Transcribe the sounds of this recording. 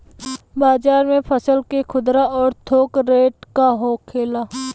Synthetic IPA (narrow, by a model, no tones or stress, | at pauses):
baːzaːɾmẽpʰəsəlkekʰʊd̪ɾaɔːɾt̪ʰoːkɾeːʈkaɦokʰeːlaː